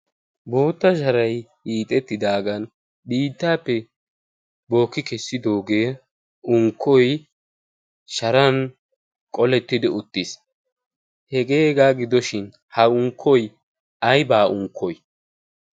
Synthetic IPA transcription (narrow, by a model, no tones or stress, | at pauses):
bo̞ːt̪ːɐʃ̬ɐɾɐj | iːt̪ʼɛt̪ːɪd̪aːɡɐn | biːt̪ːaːpːɛ | bo̞ːkːɪkɛsːɪd̪o̞ːɡeː | ʊŋkʰːɔj | ʃɐɾɐn | kʼɔlɛt̪ːɪd̪ɪʊt̪ːɪs | hɛɡe̞ːɡaːɡɪd̪ɔʃɪn | hɐʊŋkʰːɔj | ɐjbaːʔʊŋkʰːɔj